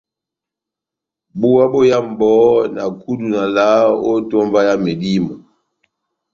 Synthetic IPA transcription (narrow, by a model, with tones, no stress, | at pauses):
bu˦a˦bo˦ja˦m̩˨bɔ˨˦na˨ku˦du˨na˨la˦o˦tɔ˦mva˦ja˦me˨di˦mɔ˨